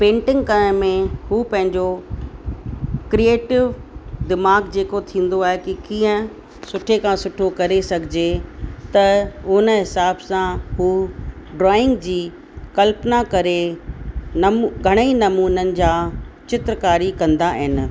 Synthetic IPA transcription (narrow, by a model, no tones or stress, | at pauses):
pẽːɳʈɪ̃ŋɡkɐɾ̃mẽhuːpɐ̃ɦɪ̃ɲd͡ʑo | kɾieːʈɪʋd̪ɪmaːɡd͡ʑeːkot̪ʰĩːn̆d̪oaːɦɪkikĩːə̃ | sʊʈʰekʰãːsʊʈʰokɐɾesɐɡʱɪd͡ʑet̪ɐʊnə̆ɦɪsaːbsãɦuːɖɾɔːɪ̃ŋɡd͡ʑiː | kɐlpnakɐɾe | ɡʱɐɽ̃əinɐmuːnənɪ̆d͡ʑaːt͡ɕɪt̪ɾkaːɾikɐ̃nd̪aɦɪnɪ̆